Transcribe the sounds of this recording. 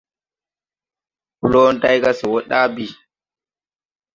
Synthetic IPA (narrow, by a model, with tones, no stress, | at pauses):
ku˦lɔ˦nta˦jka˦sɛ˨wɔ˦ɗa˦bi˨